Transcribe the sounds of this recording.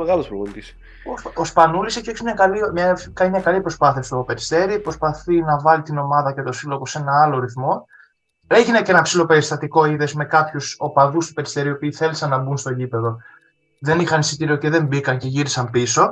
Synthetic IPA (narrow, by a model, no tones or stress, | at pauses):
eɣɐlospɾoɣont̪is | oospɐnuliseçoçismɲɐkɐlimɲɐkɐnimɲɐkɐlipɾo̞spɐθiɐst̪o̞pe̞ɾist̪e̞ɾipɾo̞spɐθinɐvɐlit̪ino̞mɐðɐcet̪o̞siloɣo̞se̞nɐɐlo̞ɾiθmo̞ | ɾeçinecenɐpsilo̞pe̞ɾist̪ɐt̪iko̞iðe̞zme̞kɐpçuso̞pɐðust̪u̥pe̞ɾi̥st̪e̞ɾio̞piːθe̞lisɐnːɐbunst̪o̞ɟipe̞ðo̞ | ðe̞nixɐnisit̪iɾio̞ce̞ðe̞mbikɐnce̞ʝiɾisɐmpiso̞